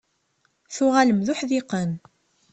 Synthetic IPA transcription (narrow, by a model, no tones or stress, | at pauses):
θʊʁaləmðʊħðiqən